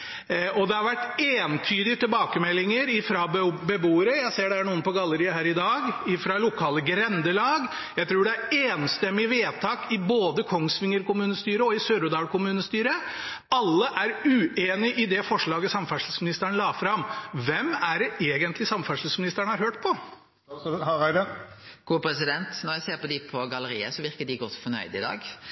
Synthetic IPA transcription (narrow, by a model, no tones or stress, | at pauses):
ɔd̪ɛhɑɾʋæʈːeːnt̪ʰyːd̪ɪət̪ɪlbɑːkəmɛlːɪŋəɾɪfɾɑbɛbuːəɾəjæɪseːɖɛhæɳuːənpɔɡɑlːəɾɪəɦæːɾɪd̪ɑːɡɪfɾɑlʊkʰɑːləɡɾɛnd̪əlɑːɡ | jæɪt̪ʰɾuːɖɛæɾeːnst̪ɛmːɪʋeːt̪ʰɑːkɪboːd̪əkʰɔŋsʋɪŋːəɾkʊmʉːnəst̪yːɾəɔɪsøɾʊd̪ɑːkʊmʉːnəst̪yːɾə | ɑlːəʔæɾʉːeːnɪʔɪd̪ɛfɔʂɭɑːɡəsɑmfæʂl̩smɪnɪst̪əɾɳlɑːfɾɑmʋɛmæɖɛeːɡənt̪lɪsɑmfæʂl̩smɪnɪst̪əɾəɳəhɑɾhøːʈpʰɔ | ɑæɪd̪ə | ɡ̥uːpʰɾɛsɪd̪ɛnt̪nɔɾjæseːɾpɔd̪ɪpʰɔɡɑləɾḭːə̰sɔʋɪɾkəɖɪɡɔt̪ːfɔnœ̰ʏd̪ɪd̪ɑ̰ːɡ